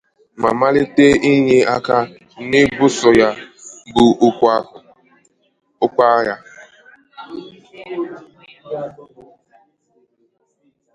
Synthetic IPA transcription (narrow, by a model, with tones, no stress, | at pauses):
ma˨ma˦lɪ˦te˦i˦ɲe˦a˦ka˦ | nɪ˦bʊ˦sɔ˨ja˦bʊ˨ʊ˦kʷa˦ʊ˨ | ʊ˦kʷa˦ja˦